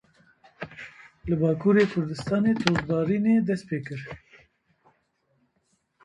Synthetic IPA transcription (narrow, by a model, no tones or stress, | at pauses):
lɨbɑːkuːɾeːkʰʊɾd̪ɨst̪ɑːneːt̪ʰoːɾbɑːɾiːneːd̪ɛst̪̚peːkɨɾ